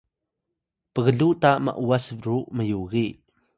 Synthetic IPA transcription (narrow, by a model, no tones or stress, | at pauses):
pəɣəɮutamə̰ʔuasvɾuməjuɣi